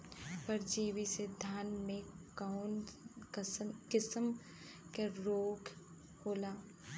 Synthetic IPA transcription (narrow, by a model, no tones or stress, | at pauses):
pɐɾd͡ʒiːwised̪ʱaːnmẽkan | kɪsəm | keɾoːɡ | hoːlaː